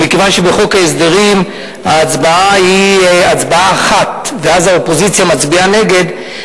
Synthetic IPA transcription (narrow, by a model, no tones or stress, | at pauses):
mikevanʃebeχokaesd̪eʁim | aːt͡sbaaiat͡sbaaːχat̪veazaopozit͡sjamat͡sbianeɡed̪